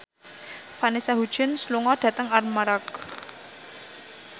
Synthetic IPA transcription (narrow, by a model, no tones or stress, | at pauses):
fanisaɦud̥ʒ̥ɪ̤nsluŋɔd̥ä̤t̪əŋarmaɾak